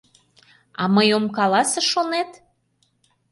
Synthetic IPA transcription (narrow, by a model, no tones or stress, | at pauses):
ɑməjomkɑlɑsə̆ʃonet̪